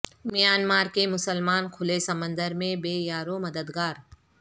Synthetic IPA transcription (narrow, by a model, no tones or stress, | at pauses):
mɪjaːnmaːɾkemʊsəlmaːnkʰʊlesəmə̃nd̪əɾmẽbeːjaːɾomɐd̪əd̪ɡaːɾ